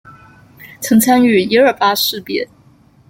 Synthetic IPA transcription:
t͡sʰɤ˧˥ŋt͡sʰa˥ny˥˩i˧˥ə˞˥˩fa˥ʂɻ̩˥˧pjɛ˥˩n

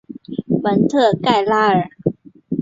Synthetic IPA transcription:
bə˨˦nt̪ʰɯ˧˩kːa˥˧˩jla˥˧˩ɾ

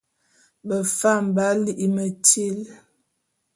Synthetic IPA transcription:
bə˨fa˦˨m˨ba˦li˦ʔi˦mə˨ti˦˨l

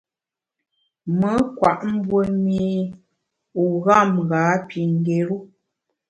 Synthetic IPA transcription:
mə˦kwa˨ʔm̩˦bwə˦mi˦ | u˨ɣa˦˨mɣa˨˦pi˨ŋ˦ɡe˨ɾu˦

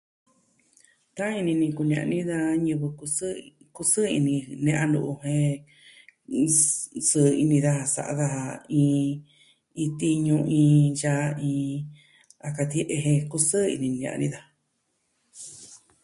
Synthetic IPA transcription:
t̪a˦i˧nĩ˧nĩ˧ku˧ñ˧ã̰˨ʔnĩ˦ða˧ɲɨ̃˧βɨ˧u˧˦ | ku˧sɨ˦ḭ˧nĩ˧nẽ˧ʔã˧nṵ˧˨ʔu˧hẽ˦ | sɨ˦˧i˧nĩ˧ða˧ha˧sa̰˧ʔa̰˧ða˧ha˧ĩː˧ | ĩ˧t̪i˦ɲũ˧ʔĩː˧ja˦˧ĩː˧ | a˧ka˧t̪i˧˦ʔe˧ɦẽ˧ku˦sɨ˦ḭ˧nĩ˧ñ˧ã̰˨˧nĩ˦ða˧

